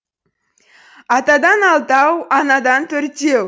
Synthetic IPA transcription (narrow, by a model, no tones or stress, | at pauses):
ɑt̪ɑd̪ɑnɑlˠt̪ɑwɑnɑd̪ɑnt̪ʰɵɾt̪ew